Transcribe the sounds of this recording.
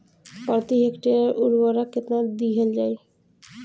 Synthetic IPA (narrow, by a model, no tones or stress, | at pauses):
pɔɾt̪iɦekʈiaɾuɾwɔɾaket̪nad̪iɦeld͡ʒaj